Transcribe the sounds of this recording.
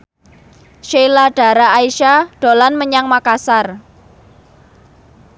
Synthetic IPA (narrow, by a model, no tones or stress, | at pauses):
ʃelaɖ̥a̤ɾaːiʃaɖ̥o̤lanməɲaŋmakasar